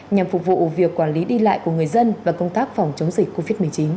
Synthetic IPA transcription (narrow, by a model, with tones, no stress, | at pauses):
ɲa˨˩mfʊ˨˩k͡p̚vṵ˧˨vi˨˩əkːwaː˧˩nli˨˦ɗi˧la̰ː˧˨jku˧˩əŋɨ˨˩əjzə˧nvaː˨˩kə˧wŋ͡mt̪aː˦˥k̚fɔ˨˧˩wŋ͡mt͡ɕə˨˦wŋ͡mzï˨˩k̚kːo˧vi˦˥t̚m˨˩əjt͡ɕi˨˦n